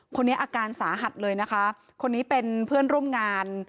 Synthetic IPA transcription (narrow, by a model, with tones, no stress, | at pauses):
kʰo˧nːi˦˥ɐʔaː˧kaː˧nsaː˩˦ɦa˨˩t̪̚lɤː˧jna˦˥kʰa˦˥ | kʰo˧nːiː˦˥pe˧npʰɯ˥˩ənɾu˥˩əmŋaː˧n